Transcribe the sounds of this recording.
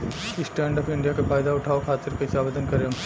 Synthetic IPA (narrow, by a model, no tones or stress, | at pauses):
ɪsʈɛ̃ːɳɖɔːpɪ̃ɳɖijakefaːjd̪aʊʈʰaːokʰaːt̪ɪɾkeɪsaːbed̪ʱənkɐɾeɐm